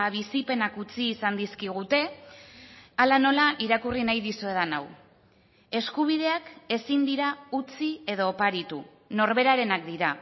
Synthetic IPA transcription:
βisipe̞nakut͡siːsand̪iskiɣ̞ut̪e̞ | alano̞laʔiɾakurinajðisue̞ð̞ana̰w | e̞skuβ̞ið̞e̞ake̞sind̪iɾaut͡sie̞ð̞o̞ːpaɾit̪u | no̞ɾβe̞ɾaɾe̞nak̚d̪iɾa

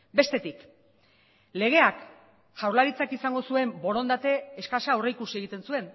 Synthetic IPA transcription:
be̞st̪e̞t̪ik | le̞ɣ̞e̞ak | ʝawɾlaɾit͡sakisaŋɡo̞sue̞mbo̞ɾo̞nd̪at̪e̞ːskasʃaoreikusie̞ɣ̞it̪e̞nsue̞n

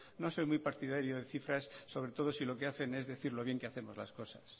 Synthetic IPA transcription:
no̞so̞jmujpaɾt̪ið̞aɾjoðeθifɾasːo̞β̞ɾe̞t̪o̞ð̞o̞silo̞keaθe̞ne̞zðe̞θiɾlo̞βje̞ŋkeaθe̞mo̞zla̰sko̞sas

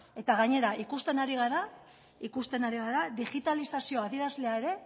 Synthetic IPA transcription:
e̞t̪aɣaɲe̞ɾaikust̪e̞naɾiɣ̞aɾa | ikust̪e̞naɾiɣaɾad̪iɣit̪alisasio̞aðie̞ɾazle̞ae̞ɾe̞

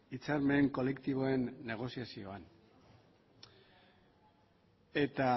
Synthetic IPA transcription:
it͡saɾme̞ːŋko̞le̞kt̪iβ̞o̞e̞nːe̞ɣ̞o̞siasio̞an | e̞t̪a

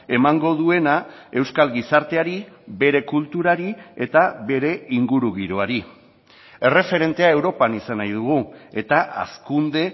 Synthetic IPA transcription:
e̞maŋɡo̞ðue̞na | e̞wskalɣisaɾt̪e̞aɾibe̞ɾe̞kult̪uɾaɾie̞t̪aβe̞ɾe̞iŋɡuɾuɣiɾoaɾi | e̞re̞fe̞ɾe̞nt̪e̞ae̞wɾo̞panisanajðuɣ̞ue̞t̪aʔa̰skund̪e̞

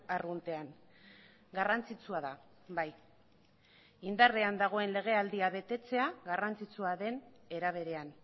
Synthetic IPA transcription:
arɣunt̪e̞an | ɡarant͡sit͡suaða | baj | ind̪are̞and̪aɣ̞o̞e̞nle̞ɣ̞e̞ald̪iaβe̞t̪e̞t͡se̞aɣarant͡sit͡suaðe̞ne̞ɾaβ̞e̞ɾe̞an

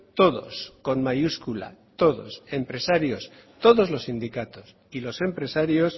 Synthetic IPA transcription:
t̪o̞ðo̞̰sko̞nmajuskula̰t̪o̞ðo̞̰se̞mpɾe̞saɾjo̞s | t̪o̞ðo̞zlo̞sːind̪ikat̪o̞s | ilo̞se̞mpɾe̞saɾjo̞s

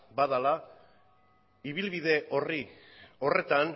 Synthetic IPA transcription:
baðala | iβ̞ilβiðe̞ʔorio̞re̞t̪an

